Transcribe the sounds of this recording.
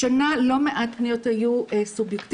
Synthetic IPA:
analo̞meʔat̚pnijothajuesubjekt

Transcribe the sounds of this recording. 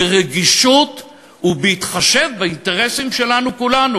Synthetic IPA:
eʁeɡiʃut | ubehit̪χaʃe̞vbainte̞ʁesimʃe̞lanukulanu

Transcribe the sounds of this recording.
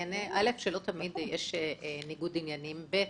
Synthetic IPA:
aneʔalefʃelo̞t̪amid̪jeʃeniɡud̪injanimbe

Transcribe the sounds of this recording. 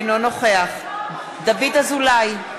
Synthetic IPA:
nlo̞no̞χe̞aχ | d̪avid̪azulaj

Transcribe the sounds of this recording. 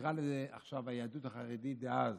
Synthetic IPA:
ʁalezɛaχʃavajead̪ut̪aχaʁed̪itd̪eaz

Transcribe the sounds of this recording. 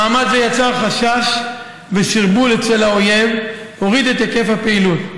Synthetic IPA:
aːmad̪zejat͡saʁχaʃaʃ | veʃiʁbulet͡selhao̞je̞v | o̞ʁid̪et̪ake̞fhapeilut

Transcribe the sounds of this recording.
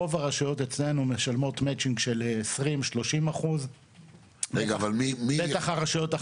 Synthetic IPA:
ovaʁaʃujo̞tet͡sle̞nume̞ʃalmo̞tmet͡ʃiŋɡʃe̞lesʁimʃlo̞ʃimaχuz | beɡavalmimibetaχaʁaʃujo̞ta

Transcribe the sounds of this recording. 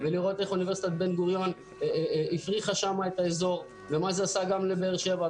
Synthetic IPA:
veliʁo̞t̪eχunive̞ʁsi̥t̪at̪̚be̞nɡuʁjo̞n | ifʁiχaʃamaet̪aezo̞ʁ | ve̞mazeasaɡamlebeeːʁʃeva

